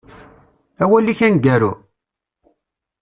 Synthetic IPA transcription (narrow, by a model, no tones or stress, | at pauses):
æwælːiçænɡæɾṵ